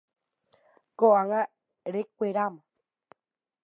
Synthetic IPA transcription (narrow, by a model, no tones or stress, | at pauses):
koaŋa | ɾek̚ʷeɾamo